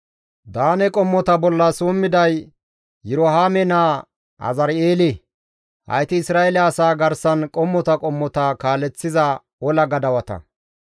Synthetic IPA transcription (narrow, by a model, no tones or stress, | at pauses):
d̪aːnɛkʼɔmːɔt̪ɐbɔlːɐsuːmːɪd̪ɐj | jʊɾɔɦaːmɛnaː | ɐ̰zɐɾeːlɪ | hɐ̰jt̪ɪːsɾaːɛlɛːsaːɡɐɾsɐnkʼɔmːɔt̪ɐkʼɔmːɔt̪ɐkaːlɛt͡sːɪzɐ | ɔlɐɡɐd̪ɐwɐt̪ɐ̰